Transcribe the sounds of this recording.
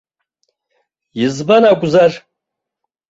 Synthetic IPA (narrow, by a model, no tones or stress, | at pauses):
jizbanakʷʼzar